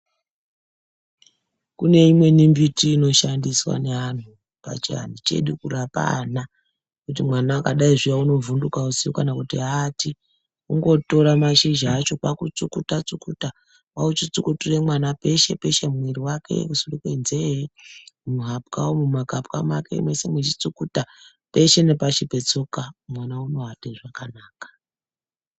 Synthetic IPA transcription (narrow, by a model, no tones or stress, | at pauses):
kune̞imwe̞nimbitiːno̞ʃandiswa̰ne̞an̤u | pa̰t͡ʃia̰nit͡ʃe̞̰ɗukurapa̰na | kut̬imwanakaɗaiʐijauno̞vundukausijokanakutiɦati | uŋɡo̞to̞ɾamaʃiʒaːt͡ʃo̞kwakut͡sukutat͡sukuta | waut͡ʃit͡sukuturemwanape̞ʃe̞pe̞ʃe̞mwiɾiwake̞̰kusurikeinzeemuɦapkaomumakapka̰makḛḭmwesemwet͡ʃit͡sukuta | pe̞ʃe̞ne̞paʃipet͡sokamwanauno̞ɦateʐakanaːkḁ